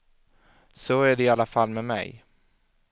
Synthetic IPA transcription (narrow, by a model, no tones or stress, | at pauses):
soæɖɛɪalːafalmɛmɛ̰j